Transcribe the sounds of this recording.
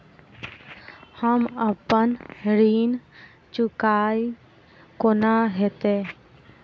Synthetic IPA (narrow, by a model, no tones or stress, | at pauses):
həməpənɾiːn | t͡ʃʊkaːi | koːnaɦɛt̪eː